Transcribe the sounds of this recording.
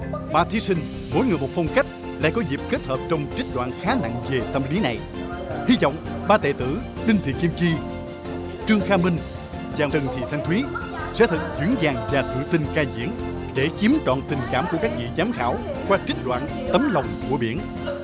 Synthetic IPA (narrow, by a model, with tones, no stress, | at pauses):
maː˧˨˩t̪ʰi˨˧˦sï˧ŋ̟ | mo˨˦jŋɨ˨˩mo˨˩t̚fɔ˧wŋ͡mka˦˥jk̟̚ | la̰ː˧˥jkɔ˨˦zi˨˩p̚ke˦˥t̚həː˨˩p̚t͡ɕɔ˧wŋ͡mt͡ɕï˦˥t̟̚ɗwa̰ː˧˨nxaː˨˦na̰˧˨ŋve˨˩t̪ə˧mli˨˦na˨˩j | hi˧vɔ̰˧˨wŋ͡mɓaː˧t̪ḛ˧˨t̪ɨ̰˧˩ | ɗï˧ŋ̟t̪ʰḭ˧˨ki˧əmt͡ɕi˧ | t͡ɕɨ˧əŋxaː˧mï˧ŋ̟ | zaː˨˩t̪ɨ˨˩ŋt̪ʰḭ˧˨t̪ʰjŋ̟t̪ʰwi˨˦ | sɛ̰˧˥t̪ʰɨ˨˩k̚zɨ̰˧˥ŋzaː˨˩ŋvaː˨˩t̪ʰɨ̰˧˨t̪ï˧ŋkaː˧˩zḭ˧˥ən | ɗe˧˩t͡ɕi˨˦əmt͡ɕɔ̰˧˨nt̪ï˨˩ŋ̟kaː˧˩mku˧˩əkaː˦˥k̚vḭ˧˨zaː˨˦mxaː˧˩wkwaː˧t͡ɕi˦˥t̚ɗwa̰ː˧˨n | t̪ə˨˦mlə˨˩wŋ͡mku˧˩əɓi˧˩ən